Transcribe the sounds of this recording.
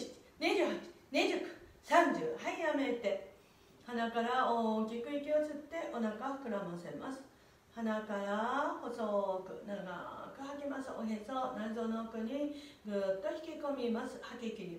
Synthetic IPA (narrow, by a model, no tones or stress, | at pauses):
i̥ | ɲʲid͡ʑɨːhat͡ɕi̥ɲʲid͡ʑɯkɯ̟̥sãɲd͡ʑɨːhaijame̞t̪e̞ | hanakaɾaoːkʲikɯ̟ikʲio̞t͡sɨt̪ːe̞ʔo̞nakahḁkɯ̟ɾamõsemasɨ̥ | hanakaɾaho̞sokɯ̟̰naɡa̰kɯ̟hakimasɨoɦesonaizoːnoːkɯ̟ɲ̟iɡɨːt̪ːo̞çi̥kʲiko̞mʲimasɨ̥hakʲekʲiɲʲi